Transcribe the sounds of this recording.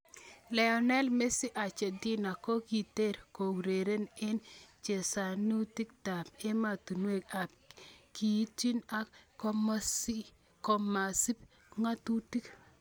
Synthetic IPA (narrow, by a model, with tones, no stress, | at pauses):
lɛ˨ɔ˨nɛ˦lme˦si˦ʔa˨t͡ʃe˨di˦na˨ko˦ki˨te˦ɾko˨wɾe˨ɾe˦nɪ˦nt͡ʃe˨sa˨nu˦ti˦k̚ta˨pe˦ma˨tu˨nwe˦˨ka˨p̚ki˨˦ti˦na˦ko˦m˦si˦ | kɔ˨ma˨si˦p | ŋa˦tu˦ti˦k